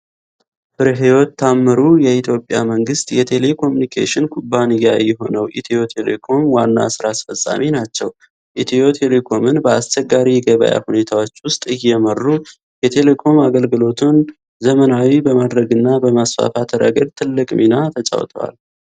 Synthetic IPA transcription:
fɨɾɦewɔt̪ːamːɨɾujɛit̪ʰjo̞pʼːja̰məŋɡɨst̪jɛt̪ʰe̞le̞kʰo̞munikʰḛʃɪnkʰubːanijajɛɦo̞nəwʔit̪ʰio̞t̪ʰe̞lḛkʰo̞mwanːa̰sɨɾasfəsʼa̰minat͡ʃːɛw | ʔit̪ʰio̞t̪ʰe̞lekʰo̞mɨnbəast͡ʃːɛɡːaɾijɡəβə̰ja̰hune̞t̪ʰawo̞t͡ʃːwʊst̪ʼɨjːɛmərːu | jɛt̪ʰe̞le̞kʰo̞maɡəlɡɨlo̞t̪ʰun | zəmənawibəmad̪ɾəɡɨnːabəmasfa̰fat̪ʰəɾə̰ɡəlt̪ʰɨlːɨkʼminat̪ʰət͡ʃʼa̰wt̪ʰəwa̰l

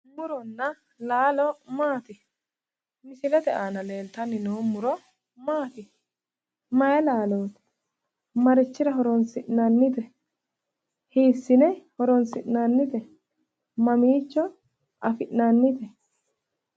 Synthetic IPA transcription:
mʊɾɔnːɐ | laːlɔmaːt̪ɪ | mɪsɪlɛd̪ɛʔaːnɐle̞ːlt̪ɐnɪnoːmʊɾɔ | maːt̪ɪ | mɐjɛlaːloːt̪ | mɐɾɪt͡ʃːɪɾɐɦɔɾɔnsɪʔnanːɪt̪ɛ | hiːsːɪnɛhɔɾɔnsɪʔnaːnːɪt̪ɛ | mɐmiːt͡ʃːɔ | ʔɐfɪʔnanːɪt̪ɛ

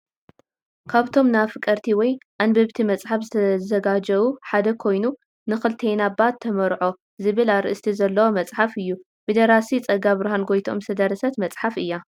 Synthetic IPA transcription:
kʰaβt̪ʰo̞mnafɨkʼɐɾt̪ʰiwɔjʔanbɐβt̪ʰimɐt͡sʼħafzɨt̪ʰɐzɐɡad͡ʒɐβuħad̪ɐkʰo̞jnu | nɨxɨlt̪ʰejnabat̪ʰːɐmɐɾʕo̞ | zɨβɨlaɾɨʔɨst̪ʰizɐlːɐwomɐt͡sʼħafɨjːu | b̥ɨd̪ɐɾasit͡sʼɐɡaβɨɾɐɦanɡojt̪ʰo̞̰msɐd̪ɐɾɐsɐt̪mɐt͡sʼħafɨjːa

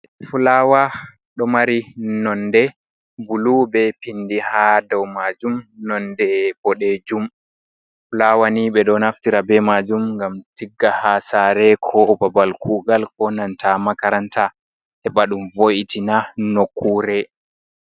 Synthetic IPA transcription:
fulawa | ɗɔmaɾinɔndɛ | bulubɛpindihadɔwmad͡ʒumnɔndɛbɔɗed͡ʒum | fulawaniɓɛɗɔnaftiɾabɛmad͡ʒumŋɡamtiɡːahasaɾɛkʰɔbabalkuɡalkɔnantʰamakaɾantʰa | hɛɓaɗumvoʔitinanokːuːɾɛ

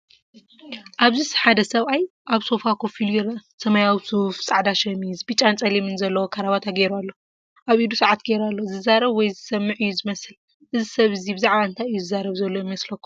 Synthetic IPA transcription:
ʔaβzisħad̪ɐsɐβʔajʔaβso̞fakʰofilujɪɾɐsɐmajawisufsʼaʕd̪aʃɐmizbɨt͡ʃʼant͡sʼɐlimɨnzɐlːɐwokʰaɾaβat̪ʰaɡeɾualːo̞ | ʔaβʔid̪usɐʕat̪ɡeɾalːozɨzaɾɐβwɔjzɨsɐmːɨʕɨjːuzɨmɐsɨl | ʔɨzisɐβɨzibɨzaʕβaɨnt̪ʰajɨjːuzɨzaɾɐβzɐlːojimɐslɐkːu̥

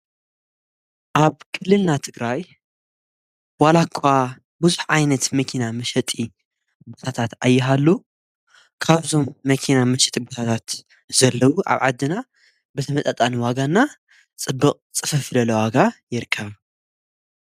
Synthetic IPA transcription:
ʔaβkʰɨlːɨlnat̪ʰɨɡɾaj | walakʰːa | bɨzuħʕajnɐt̪mɐkʰinamɐʃɐt̪ʼi | bot̪ʰat̪ʰat̪ʔajːɪɦalːu | kʰaβzo̞mːɐkʰinamɐʃɐt̪ʼibot̪ʰat̪ʰat̪ | zɐlːɐwuʔa̰βʕad̪ːɨna | bɨt̪ʰɐmɐt̪ʼɐt̪ʼaniwaɡanːa | t͡sʼɨbːɨqʼt͡sʼɨfɐfɨlɐlɐwaɡajɪɾkʰːɐβ

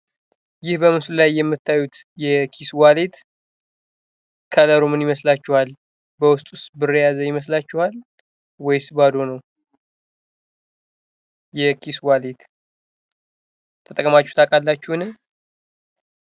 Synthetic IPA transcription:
jɪhbəmɨslulajːɛmːɨt̪ʰːajːut̪jɛkʰiswalet̪ | kʰələɾomɨnjɪməslat͡ʃːɛhal | bəwʊst̪ʼusbɨrəjazəjɪməs̬lat͡ʃːuhal | wɔjsɨbad̪o̞nəw | jɛkʰiswalet̪ | t̪ʰət̪ʼəkʼmat͡ʃːuht̪ʰakʼalːat͡ʃːɛhnɨ

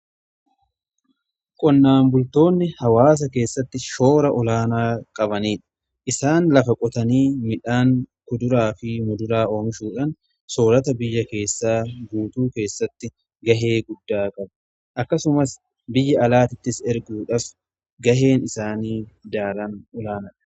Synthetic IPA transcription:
kʼɔnːaːmbʊlt̪o̞ːnːɪhɐwaːs̬ɐke̞ːsːɐt̪ːɪʃo̞ːɾɐʔɔlaːnaːkʼɐbɐniːᶑɐ̥ | ʔɪsaːnlɐfɐkʼɔt̪ɐniːmɪᶑaːŋkʊd̪ʊɾaːfɪmʊd̪ʊɾaːo̞ːmɪʃuːᶑɐn | so̞ːɾɐt̪ɐbɪjːɐke̞ːsːaːɡuːt̪uːke̞ːsːɐt̪ːɪ | ɡɐɦe̞ːɡʊd̪ːaːkʼɐbɐ | ʔɐkːɐsʊmɐs | bɪjːɐɐlaːt̪ɪt̪ːɪsɛɾɡuːᶑɐf | ɡɐɦe̞ːnɪsaːniːd̪aːɾɐnɔlaːnɐᶑɐ

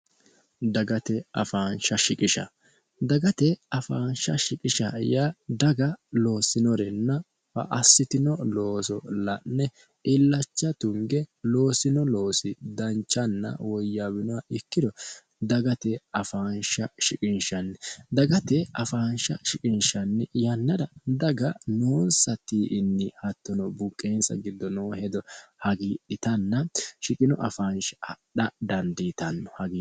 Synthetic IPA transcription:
d̪ɐɡɐt̪ɛɐ̰faːnʃɐʃɪkʼɪʃɐ̰ | d̪ɐɡɐt̪ɛɐfaːnʃɐ̰ʃɪkʼɪʃɐjaːd̪ɐɡɐlo̞ːsɪnɔɾɛnːɐ | fɐ̰ʔɐsːɪt̪ɪnɔlo̞ːsɔlɐnːɛ | ɪlːɐt͡ʃːɐt̪ʊŋɡɛlo̞ːsɪnɔlo̞ːsɪd̪ɐnt͡ʃːɐnːɐ̰wɔjːabɪnɔaɪkːɪd̪ɔ | d̪ɐɡɐt̪ɛɐfaːnʃɐʃɪkʼɪnʃɐnːɛd̪ɐɡɐt̪ɛɐfaːnʃɐʃɪkʼɪnʃɐnːɛjɐnːɐd̪ɐd̪ɐɡɐnoːnsɐt̪iːʔɪnːɪhɐt̪ːɔnɔbʊkʼːeːnsɐ̰ɡɪd̪ːɔnoːhɛd̪ɔhɐɡiːᶑɪt̪ɐnːɐʃɪkʼɪnɔʔɐ̰faːnʃɗɐd̪ɐnd̪it̪ɐnːɔhɐɡiː

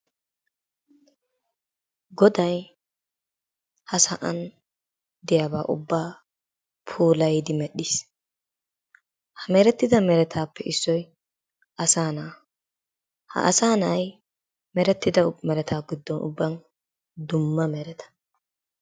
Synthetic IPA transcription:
ɡɔd̪ɐj | hɐsɐʔɐn | d̪ɪjaːbaːʔʊ̰bːaː | pʰuːlɐjd̪ɪmɛɗiːs | hɐmɛːɾɛt̪ːɪd̪ɐmɛɾɛt̪ʰaːpːɛʔɪsːɔj | ɐsaːnaː | hɐ̰ʔɐ̰saːnɐj | mɛɾɛt̪ːɪd̪ɐmɛɾɛt̪ʰaːɡɪd̪ːɔnʔʊ̰bːɐn | d̪ʊmːɐmɛɾɛt̪ʰɐ̥

